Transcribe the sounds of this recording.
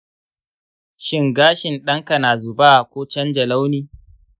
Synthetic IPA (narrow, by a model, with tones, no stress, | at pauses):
ʃɪ˦ŋɡaː˦ʃɪ˨nɗɐ˦ŋkɐ˨naː˨zʊ˨baː˦ʔkʷoː˦t͡ʃɐ˦nd͡ʒɐ˨la˦wniː˦